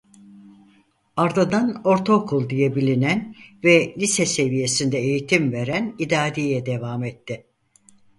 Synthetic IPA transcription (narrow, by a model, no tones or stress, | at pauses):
aɾd̪ad̪ano̞ɾt̪ʰokʰulˠd̪ijɛbilʲinænvɛlʲisɛse̞vije̞sind̪ɛejit̪ʰimve̞ɾænid̪aːd̪ijɛd̪e̞vaːmɛt̪ʰːɪ